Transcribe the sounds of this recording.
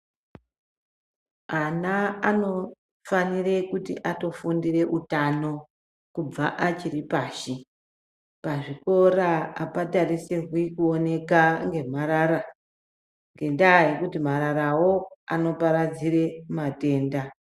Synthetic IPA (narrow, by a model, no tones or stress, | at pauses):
anaano̞ | fanire̞kutḭʔato̞fundire̞ʔutano̞ | kub͡vaʔat͡ʃiripaːʃi | paʐiko̞ɾaapataɾiserwikuone̞kaŋɡe̞m̤aɾaɾa | ŋɡe̞ndaje̞kutimaɾaɾawo̞a̰no̞paɾad͡zire̞mate̞ːnda